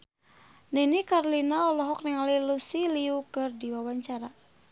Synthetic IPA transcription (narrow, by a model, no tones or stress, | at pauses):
ninikaɾlinaɔlɔɦɔk̚niŋalilusiliukɨrdiwawaɲt͡ʃaɾa